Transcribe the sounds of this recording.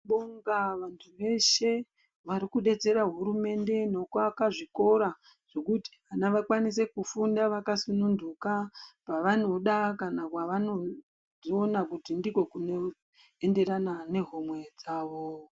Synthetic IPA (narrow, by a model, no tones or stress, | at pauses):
ɓoŋɡaʋantʰuʋe̞ʃe̞ | ʋaɾikuɗe̞d͡ze̞ɾaɦuɾume̞nde̞no̞kwakaʐiko̞ɾa | ʐ̥e̞kuti̥ʋanaʋakwanis̬e̞kufundaʋakasunundukapaʋano̞ɗakanakwaʋano̞ | io̞nakutindiko̞kuno̞ | e̞nde̞ɾanane̞ɦomwe̞d͡zaːʋo̞